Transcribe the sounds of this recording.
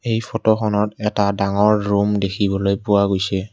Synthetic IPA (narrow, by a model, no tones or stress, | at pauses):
ejpʰɔtɔxɔnɔtɛtadaŋɔɹɹumdekʰibɔlojpʊwaɡojsɛ